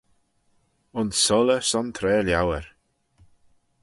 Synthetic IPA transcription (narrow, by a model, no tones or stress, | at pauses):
ʊnsɔləsɔnt̪ʰɾɛːljawəɹ